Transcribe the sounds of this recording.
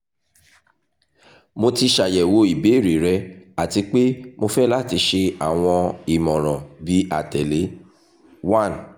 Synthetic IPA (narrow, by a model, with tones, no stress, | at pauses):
mo˧ti˧ʃa˨jɛ˨wo˧i˨be˨˦˨ɾe˨ɾɛ˧˦a˨ti˧k͡pe˦mo˧fɛ˦la˦˨ti˧ʃe˧a˨w̃ɔ̃˧i˨mɔ̃˨ɾ̃ɔ̃˨bi˨˦a̰˨tɛ˨le˨˦ | wã˦˨n